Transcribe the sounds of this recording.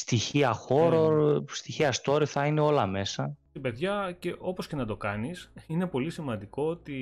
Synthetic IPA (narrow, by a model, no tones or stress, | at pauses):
st̪içiɐxo̞ɾost̪içiɐst̪o̞ɾiθɐineo̞lɐme̞sɐ | ibe̞ðʝɐceʔo̞po̞sce̞nɐd̪o̞kɐnisine̞po̞lisimɐnd̪iko̞ot̪i